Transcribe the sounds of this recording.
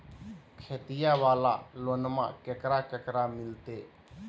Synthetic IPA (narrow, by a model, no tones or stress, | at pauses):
kʰeːt̪ɪjaʋaːla̰ːlonmã̰ːkəkɾaːkəkɾamɪlt̪eː